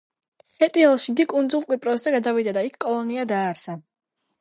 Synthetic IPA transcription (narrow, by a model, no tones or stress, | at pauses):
hɛt̪ʼiɛlˠʃiɡ̪ikʼund̪zulˠkʼwipʼɾɔszɛɡad̪avid̪ad̪aikʰːkʼɔlˠɔniad̪aːɾsa